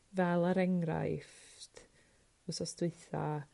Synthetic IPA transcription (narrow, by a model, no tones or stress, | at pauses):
vɛlˠaɾɛŋɾa̰jftʰ | ʊsɔstwɪɨθa̰